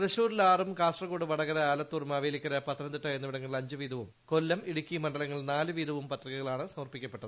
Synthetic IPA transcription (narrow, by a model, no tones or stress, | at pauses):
rɐɕuːɾilaːrumkaːsʈrɐɣoːɽuʋɐɽɐɣɐɾɐaːlɐt̪ːurmaːʋeːlikʲːɐɾɐpɐt̪ːɐɾɐnd̪iʈːɐjenːɐʋiɽɐŋːɐɭɐɲd͡ʑɨʋiːðɐʋumko̞lːɐmiɽukʲːimɐɳɖɐlɐŋːɐɭnaːlɨʋiːðʱɐʋumpɐt̪riɣɐɣɐɭaːɳɨsɐmɐrpikʲːɐpːe̞ʈːɐðɨɨ